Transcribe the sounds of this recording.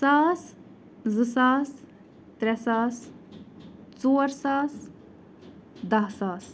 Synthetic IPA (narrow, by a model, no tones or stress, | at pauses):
saːs | zɨsaːs | t̪ɾʲɛsaːs | t͡soːɾsaːs | d̪ɐɦsaːs